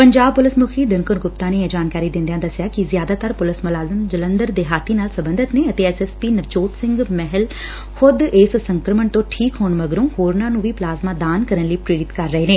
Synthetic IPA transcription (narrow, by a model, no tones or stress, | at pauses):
pɐɲd͡ʒaːb̚pʊlɪsmʊkʰid̪ɪnkʊnɡʊpt̪ãnẽɛ̃d͡ʒaːnkaːɾid̪ɪ̃nd̪ijãd̪ɐsjakizjaːd̪aːt̪əɾpʊlɪsmʊlaːzəmd͡ʒɐlə̃nd̪əɾd̪eːɦaːt̪ʰinaːlsɐbə̃nd̪ʱɪt̪neɐt̪eːɛsespiːnɐt͡ʃoːt̪sɪ̃ŋɡmɛɦɛl | xʊd̪eːssɐ̃ŋkɾəməɳ̃t̪õʈʰiːkɦoːɳ̃ʋɐɡɾõːhoːɾnãnũːʋʱiplaːzmãd̪aːnkɐɾənliːpɾeːɾɪt̪kɐɾːɐɦeːneː